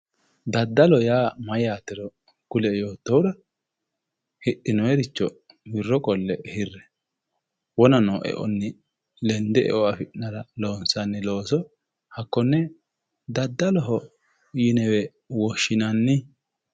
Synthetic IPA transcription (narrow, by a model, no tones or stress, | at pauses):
d̪ɐd̪ːɐlɔjaːmɐjaːt̪ːɛɾɔ | ɡ̥ʊlɛjo̞ːt̪ːɔwʊɾɐ | hɪʔːɪnɔjɛɾɪt͡ʃːɔ | bɪrːɔkʼɔlːɛhɪrːɛ | wɔnɐnɔʔɛ̰ʔɔ̰nːɪ | lɛnd̪ɛʔɛ̰ʔɔɐfɪʔnɐɾɐloːnsɐnːɪlo̞ːsɔ | hɐkːɔnːɛ | d̪ɐd̪ːɐlɔɦɔ | jɪnɛwɛ | wɔʃːɪnɐnːɪ